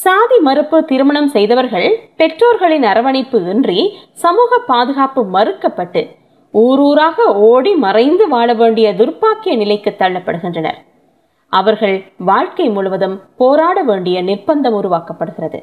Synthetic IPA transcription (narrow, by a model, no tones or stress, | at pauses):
saːðimɐɾɯpːɯt̪ɪɾɯmɐɳɐmsɛjðɐʋɐɾɣɐɭpɛʈroːɾɣɐɭɪnɐɾɐʋɐɳɪpːɯɪndrisɐmuːɣɐpːaːðɯɣaːpɯmɐrɯkːɐpːɐʈːɯ | uːɾuːɾaːɣɐoːɽimɐrɐɪnd̪ɯʋaːɭɐʋeːɳɖɪjɐd̪ʊrpaːkːɪjɐnɪlɐɪkːɯt̪ːɐɻɐnɐpːɐɽɯɣɪndrɐnɐ̰ɾ | ʔɐʋɐɾɣɐɭʋaːɻkɐɪmʊɻʊʋɐðɯmpoːɾaːɽɐʋeːɳɖɪjɐnɪrbɐnd̪ɐmʊɾʊʋaːkɐpːɐɽɯɣɪrɐðɯ̰